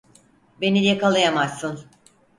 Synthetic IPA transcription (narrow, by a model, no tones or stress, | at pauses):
be̞nijakalˠajamasːɯn